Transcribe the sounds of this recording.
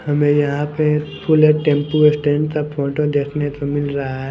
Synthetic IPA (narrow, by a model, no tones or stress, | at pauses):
hɐmẽjɐɦãpefʰʊleʈẽːmpuesʈẽːɳɖt̪ɐbfʰoːʈod̪eːkʰnet̪omɪlɾɐɦaɦɛ